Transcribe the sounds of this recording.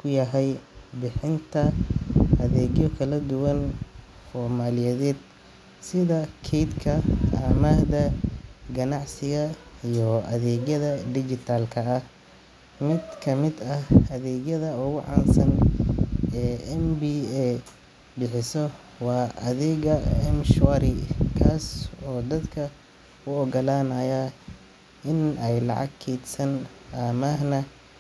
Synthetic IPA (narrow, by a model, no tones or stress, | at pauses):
kʰʊjɐɦɛjbɪħɪnt̪ʰɐʔɐðɛːɣjɔkʰɐlɐd̪ʊwɐn | fɔrmaːlɪjɛːðɛːd̪̚ | sɪðɐkʰɛjd̪kʰɐɐmad̪ɐɡɐnɑʕsɪɣɐijɔʔɐðɛːɣjɐðɐd̪ɪt͡ʃɪt̪ʰaːlkʰɐːh | mɪd̪kʰɐmɪd̪ɐhɐðɛːɣjɐðɐʊɣʊʕɑ̰ːnsɐn | ɛːɛmbiɛ | bɪħɪsɔ | wɑːʔɐðɛːɣɐɛmʃwaɾɪkʰaːsɔːd̪ɐd̪kʰɐ | ʊɔɡɐlaːnɐja | ɪnɛjlɑ̰ʕɑ̰ɡkʰiːd̪sɐn | amɐɦnɐ